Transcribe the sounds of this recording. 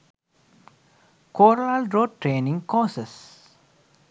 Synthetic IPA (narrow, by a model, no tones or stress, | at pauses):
koːɾlalɾoːʈɾeːnĩŋkɔːses